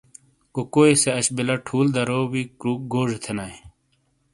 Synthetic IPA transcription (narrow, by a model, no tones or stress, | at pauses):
kokoːeseɐɕbilɐʈʰuːld̪ɐɾowikɾuːk̚ɡoːʐet̪ʰenaj